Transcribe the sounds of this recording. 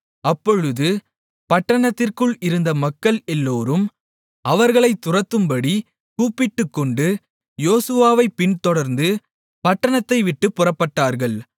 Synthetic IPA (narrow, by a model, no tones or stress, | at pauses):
ɐpːɔɻɯðɯ | pɐʈːɐɳɐt̪ːɪrkɯɭɪɾɯnd̪ɐmɐkːɐɭɛlːoːɾɯm | ɐʋɐɾɣɐɭɐɪt̪ːʊrɐt̪ːɯmbɐɽi | kuːpːɪʈːɯkːɔɳɖɯ | joːsɯʋaːʋɐɪpːɪɳt̪ɔɽɐɾnd̪ɯ | pɐʈːɐɳɐt̪ːɐɪʋɪʈːɯpːʊrɐpːɐʈːaːɾɣɐɭ